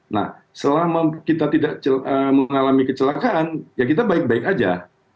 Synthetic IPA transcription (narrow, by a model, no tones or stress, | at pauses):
na̰h | səlahməkit̪at̪idaʔt͡ʃələməŋalamikət͡ʃəlakaʔːnjak̬it̪̬abaɪk̚baɪkad͡ʒa̰